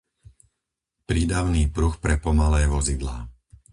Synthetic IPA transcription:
pɾiːd̪aʊniːpɾuxpɾɛpɔmalɛːʋɔzid̪la̰ː

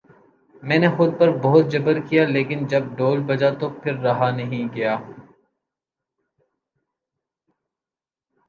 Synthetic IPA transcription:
mɛ̃ːnexʊd̪̚pɐɾbɔɦʊt̪̚d͡ʒɐbəɾkijaleːkɪnd͡ʒɐb̚ɖoːlbɐd͡ʒat̪opʰɪɾːɐɦanɐɦĩɡɐjaː

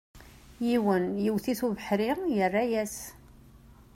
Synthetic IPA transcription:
jiwənjiwθiθuvəħɾijərːajæs

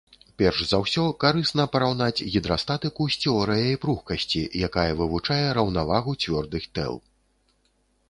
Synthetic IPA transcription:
pʲɛrʂzawsʲɔkaɾɨsnɐpɐɾawn̪at͡sʲɣʲid̪ɾast̪at̪ɨkusʲt͡sʲɔɾɨjɐipɾuxkɐsʲt͡sʲḭjakajɐvɨvut͡ʂajɛɾɐwnavaɣut͡sʲvʲɔrd̪ɨxt̪ɛ̰lˠ

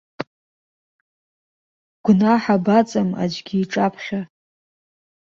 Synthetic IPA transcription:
ɡ̥ʷnaħabat͡sʼama̰d͡ʒʷɡʲiːʈ͡ʂʼapʰχʲa

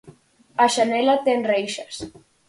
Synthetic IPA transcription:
aʃanɛlat̪enrejʃas

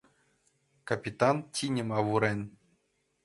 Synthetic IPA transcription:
kapʲit̪ɑntʲinʲɘ̆mɑʋuɾɘnʲ

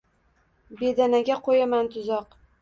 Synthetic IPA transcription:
be̞d̪anaɡʲaqʰojamant̪ʰʊzɒq

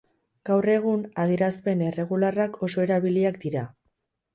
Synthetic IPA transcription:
ɡ̥awre̞ɣ̞unaðieɾaspe̞nere̞ɣ̞ularakʰo̞so̞e̞ɾaβiliakd̪iɾa

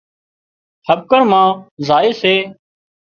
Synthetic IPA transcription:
həb̚kəɾmãːzaːeːseː

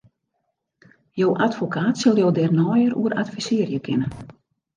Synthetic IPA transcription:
jowʔatfokʰaːtsɪlˠjowdɛrnɔjəɾṵəɾa̰tfisɪərjəkʰɪnən

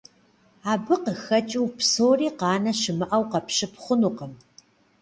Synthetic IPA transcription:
aːbɨqəxɐt͡ʃʼɪwpsoːriːqɑːnɐʃɪmɨʔɐwqɐpɕɪpχʷʊnuːqəm

